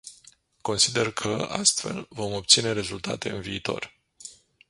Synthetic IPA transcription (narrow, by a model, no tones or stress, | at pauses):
ko̞nsid̪e̞rkʰəa̰st̪fe̞̰lvo̞mo̞p̚t̪sine̞ɾe̞zult̪a̰t̪e̞ɨnviːt̪o̞̰r